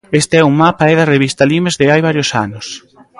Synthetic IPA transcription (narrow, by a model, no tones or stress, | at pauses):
est̪eɛummapaɛðɐreβist̪alimezðɪajβaɾjosanʊs